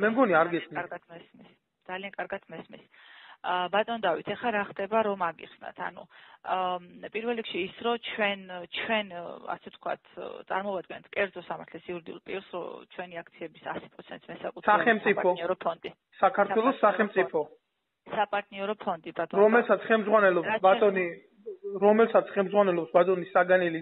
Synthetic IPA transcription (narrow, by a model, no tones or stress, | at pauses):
mɛmɡɔniaaɾɡɛsnaɾɡat̪̚ʰmɛsmis | d̪zaliaŋkʼaɾɡat̪ʰmɛsmḭs | bat̪ʼɔnd̪avit̪ʰɛχaɾaχd̪ɛbaɾɔmaɡḭχsna̰t̪ʰa̰nṵ | pʼiɾvɛlˠɾikʃiːsɾɔt͡ʃʰwɛnt͡ʃʰwɛna̰sɛft̪̚ʰkʰwa̰t̪ʰt̪sʼa̰ɾmɔvad̪̚ɡɛnt̪ʰkʼɛɾd̪zɔsamaɾt̪ʰlɛsiuɾid̪iṵlˠpʼiɾsɾɔ̰t͡ʃʰwɛniak̚ʰt̪sʰiɛbisa̰spʼɾɔt̪sʰɛnt̪sʰmɛsakʼut̪ʰsʰɛaχɛmtsʼipʰɔniɔɾɔpʰɔnd̪i | sakʰaɾt̪ʰwɛlˠɔsːaχɛmt̪sʼipʰɔ | sapʼaɾt̪ʼniɔɾɔpʰɔnd̪ibat̪ʼɔɾɔmɛlsat̪sʰχɛlmzʁwanɛlɔabat̪ʼɔni | ɾɔmɛlsat̪sʰχɛlmzʁwanɛlɔbsbat̪ʼɔnisaɡanili